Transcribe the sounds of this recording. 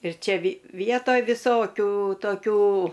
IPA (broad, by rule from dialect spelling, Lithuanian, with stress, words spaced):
ɪr ˈt͡ʃʲɛ ʋʲɪ ˈʋʲiɛtoːj ʋʲɪˈsoːkʲuː toːˈkʲuː